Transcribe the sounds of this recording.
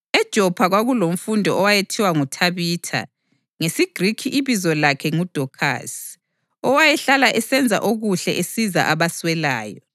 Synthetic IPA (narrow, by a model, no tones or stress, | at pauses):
ɛd̥ʒ̥ʱɔpʰaɣwaɣulom̩fundʱɔɔwajetʰiwaŋutʰaβiːtʰa̰ | ŋesiɡ̥rikʰiʔːβizɔlakʰɛŋud̥ʱɔkʰa̰s | ɔwajɛɬalaʔɛsɛnd͡zʱa̰ʔoɣuɬɛʔesiza̰ʔaβaswɛlaːjɔ